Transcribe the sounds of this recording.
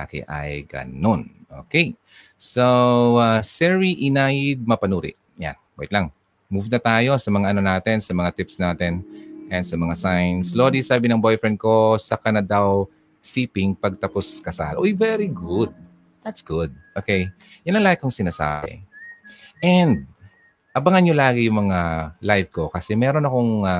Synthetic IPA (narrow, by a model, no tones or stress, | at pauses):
a̰kɪ̰ʔɐ̰jɡɐ̰no̞nʔo̰ːkej | soasɛɹiʔɪnajɪd̪̚mɐpɐnuːɾɪ̰ʔ | ja̰nbɛjt̪lɐŋ | muvnɐt̪aːjo̞sɐmɐŋaʔɐno̞naːt̪ɛnsɐmɐŋat̪ɪpsnaːt̪ɛnʔɛnd̪sɐmɐŋasajnsloːd̪isaːbɪnɐŋbo̞jfɹɛnd̪̚ko̞sɐkanɐd̪aw | siːpɪŋpɐɡ̚t̪ɐposkɐsa̰lʔojvɛɾiɡʊd̪̚ | d̪ɐt̪sɡ̥ʊd̪̚ʔokɛj | jɐnːɐŋlajkoŋsɪnaːsa̰ːbɛ̰ | ʔɛnd̪̚ | ʔɐbɐŋɐnjolaːɡɪjʊŋmɐŋalajvko̞kɐsɛmɛːɾo̞nɐko̞ŋa